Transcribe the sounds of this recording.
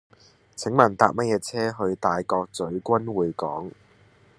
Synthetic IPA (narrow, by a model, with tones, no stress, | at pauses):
t͡sʰɪ˨˥ŋmɐ˨˩nt̪a̰ː˧k̚mɐ˥t̚jɛː˨˧t͡sʰɛː˥ɦɵ˧ɥt̪aː˨jkɔː˧k̚t͡sɵ˨˥ɥkʷɐ˥nwuː˨jkɔː˨˥ŋ